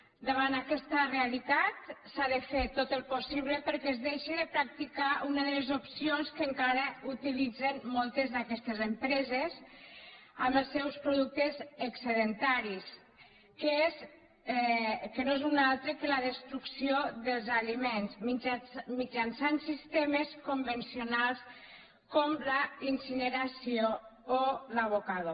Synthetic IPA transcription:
d̪əβant̪akɛst̪ərealit̪at̪saðəfet̪ot̪əlˠpusiβləpəɾkɛzðeʃiðəpɾak̚t̪ikaʔunəðəlezopsionskəŋkaɾəut̪ilid͡zenmɔlˠt̪əzðakɛst̪ezəmpɾɛzez | əməlˠsɛwspɾuðuk̚t̪ezəksəðənt̪aɾis | keez | kənoezunalˠt̪ɾəkələðəst̪ɾuksioðəlˠzalimenzimid͡ʒansansist̪eməskumbənsiunalˠs | komləinsinəɾasioː | laβokaðo

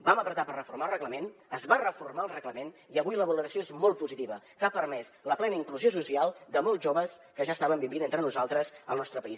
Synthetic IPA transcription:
baməpɾət̪apərəfurmalˠrəɣləmenəzβarəfurmaəlˠrəɣləmeniəβujləβələɾəsioezmɔlˠt̪̚puzit̪iβə | kapərmɛsləplɛnəiŋkluziosusialˠd̪əmɔlˠzʒoβəskəʒast̪aβəmbiβinent̪ɾənuzalˠt̪ɾəzə̰lˠnɔst̪ɾəpəis

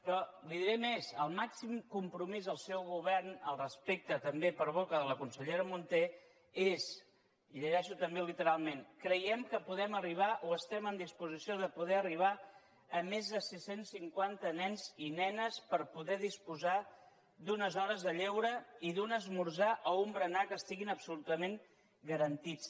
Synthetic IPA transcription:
pɾɔliðiɾɛmezəlˠmaksimkumpɾumizðəlˠsɛwɣuβ̞ɛrnəlˠrəspek̚t̪ət̪əmbepəɾβ̞okəðələkunsəʎeɾəmunt̪e | ez | iʎəʒɛʃut̪əmbelit̪əɾalˠmenkɾəjɛmkəpuðɛməriβ̞aʔoəst̪ɛmənd̪ispuzisioðəpuðɛəriβ̞a | əmezðəsisensːiŋkwant̪ənɛnzinɛnəspəɾpuðɛðispuza | d̪unəzɔɾəzðəʎɛwɾəiðunəzmuɾzaʔəumbɾənakəst̪iɣinəpsulut̪əmeŋ | ɡəɾənt̪it͡s

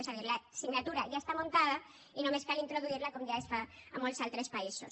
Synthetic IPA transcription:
saðiɾlasiɡnat̪uɾaʝaest̪amont̪aða | inomeskalint̪ɾoðuiɾlakomʝaesfaamolsalt̪ɾespaiso̰s

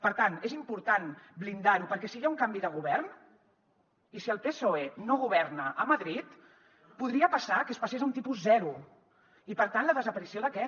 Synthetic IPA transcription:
pəɾt̪anezimpuɾt̪anblind̪aɾupəɾkɛsijauŋkambiðəɣuβɛrn | isiəlˠpesoenoɣ̞uβ̞ɛrnəʔːməðɾit̪ | puðɾiəpəsakəspasezunt̪ipuzzɛɾu | ipəɾt̪anləðəzəpəɾisioðəkɛ

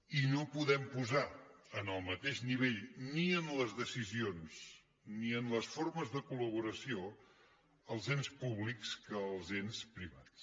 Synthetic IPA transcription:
inopuðɛmpuzaənəlˠmət̪eʒniβ̞eʎniənləzðəsizions | niənləsfoɾməzðəkuləβ̞uɾəsio | əlˠzenspuβlikskəːlˠzenspɾiβats

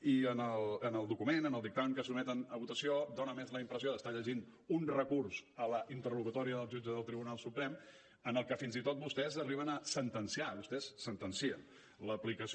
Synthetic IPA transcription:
iənəlˠənəlˠd̪ukumenənəlˠd̪ik̚t̪aməŋkəsumɛt̪ənəβut̪əsiod̪onəmezləimpɾəsioðəst̪aʎəʒinunrəkuɾsələʔint̪ərukut̪ɔɾiəðəlˠʒud͡ʒəðəlˠt̪ɾiβunalˠsupɾɛm | ənəlˠkəfinzit̪ot̪̚bust̪ɛzəriβ̞ənəsənt̪ənsiaβust̪ɛsːənt̪ənsiə̰n | ləplikəs

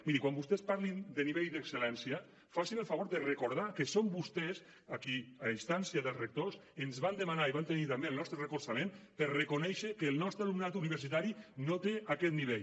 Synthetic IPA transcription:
miɾikwambust̪ɛspaɾlind̪əniβejd̪əkselɛnsia | fasinəlˠfaβoɾðərekoɾð̞akesombust̪ɛs | akiaist̪ansjaðəlˠzrek̚t̪osenzβand̪əmanaiβant̪enit̪ambelˠnɔst̪ɾərəkuɾsamenpəɾrekonɛʃəkəːlˠnɔst̪ɾalumnat̪uniβəɾsit̪aɾinot̪eakɛt̪̚niβeʎ

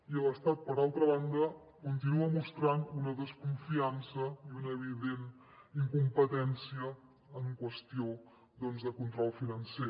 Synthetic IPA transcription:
iələst̪at̪̚pəɾalˠt̪ɾəβand̪ə | kunt̪inuəmust̪ɾanunəðəskuɱfiansəiunəːβiðen | iŋkumpət̪ɛnsiəː | ŋkwəst̪io | d̪ɔnzðəkunt̪ɾɔlˠfinənse

